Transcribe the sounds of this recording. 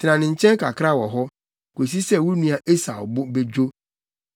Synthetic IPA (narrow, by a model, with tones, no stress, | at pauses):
tʰɪ˨nã˨nɪ̃˨ɲ̩˨t͡ɕʰɛ̃˦ŋ˦kʰa˨kʰɾa˦˨wɔ˨ɦɔ˦ | kʷo˨s̬i˦sɛ˦wʊ˦nũ˦a˨ʔe˦sa̰˨bʊ˦be˦d͡ʑᶣo˦